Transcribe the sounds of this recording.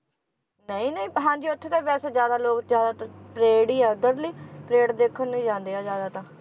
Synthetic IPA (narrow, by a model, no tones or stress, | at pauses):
nəĩːnəĩːɦãːd͡ʒiːʊt̪ʰːk̪aːbɛːseːzjaːd̪aːloːkd͡ʒjaːd̪aːt̪pɾeːɽiːɛːd̪əɾliːpɾeːɽd̪eːkʰːənːəĩːd͡ʒãːnd̪eːaːzjaːd̪aːt̪ãː